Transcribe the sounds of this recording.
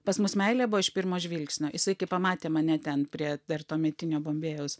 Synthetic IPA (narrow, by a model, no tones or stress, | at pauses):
pɐsmʊsmʲɛɪlʲeːbʊʋɐɪʃpʲɪɾmoːʒʲʋʲilʲksʲnʲoːjɪsɐɪkɐɪpɐmɑːt̪ʲeːmɐnʲɛt̪ʲɛnpʲɾʲiɛd̪ɐrt̪oːmʲɛt̪ʲɪnʲoːboːmʲbʲeːjɛʊs